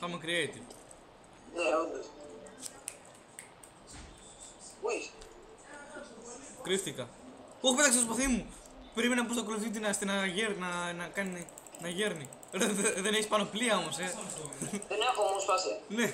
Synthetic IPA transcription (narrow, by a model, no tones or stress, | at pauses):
θɐmɐkɾieit̪i | neond̪os | es | kɾift̪ikɐ | oxpet̪ɐkset̪s̬poθimu | peɾimenɐpost̪okoluθit̪̬inɐst̪inɐʝeɾnɐnɐkɐni | nɐʝeɾni | ðeðeneçispɐnopliɐomose | ðeneakomusfasiɐne